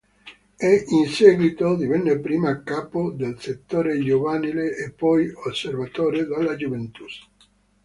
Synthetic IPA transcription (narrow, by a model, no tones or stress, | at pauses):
ɛʔinsɛːɡwit̪od̪ivɛnːepɾiːmakːaːpod̪elset̪ːoːɾed͡ʒovanileʔːpːɔjosːervat̪oːɾed̪alːad͡ʒuvent̪us